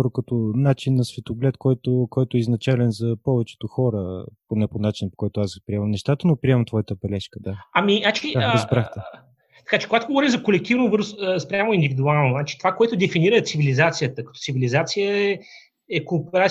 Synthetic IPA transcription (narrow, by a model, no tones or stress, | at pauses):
ɾokət̪onat͡ʃinːɐsvɛt̪oɡlɛt̪kɔjt̪okɔjt̪ʊɛiznɐt͡ʃalɛnzɐpɔvɛt͡ʃɛ̥t̪oxɔɾəponɛponat͡ʃinəpo̥kɔjt̪ʊaspɾiɛmɐmnɛʃt̪at̪ənopɾiɛmɐmt̪vɔjət̪əbɛlɛʃkəd̪aaminat͡ʃkiizbɾaxt̪ɛ | t̪ɐ̥kat͡ʃɛ̥koɡat̪oɡovɔɾimzɐkolɛk̚t̪ivnovɤɾzəspɾʲamʊind̪ivid̪ualˠnonat͡ʃi̥t̪ovakoɛt̪ʊd̪ɛfiniɾət̪sivilizat̪sijət̪əkət̪ɔ̥t̪sivilizat̪sijəɛ | ɛkopɛɾa